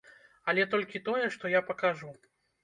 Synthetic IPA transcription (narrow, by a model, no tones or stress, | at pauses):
ɐlʲɛt̪ɔlʲkʲit̪ɔjɛʂt̪ɔjapɐkaʐu